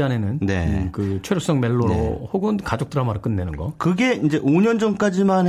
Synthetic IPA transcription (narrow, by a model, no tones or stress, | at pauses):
ane̞nɯnnḛkɯt͡ɕʰweɾjok̚s͈ʌŋme̞ɭːoɾohoɡɯnkad͡ʑok̚t͈ɯɾamaɾɯk͈ɯnːenɯnɡʌkɯɡe̞ind͡ʑe̞ʔoɲʌnd͡ʑʌmk͈ad͡ʑiman